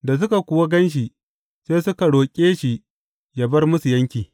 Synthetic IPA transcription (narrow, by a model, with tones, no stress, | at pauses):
da˨s̬ʊ˦ka˨kʷʊ˨wa˦ɡɐ˦nʃ̬i˨ | seː˦sʊ˦ka˨ɽoː˨kʲʼeː˦ʃi˨ | ja˨bɐ˦rmʊ˦su˨jɐ˦ŋkʲiː˨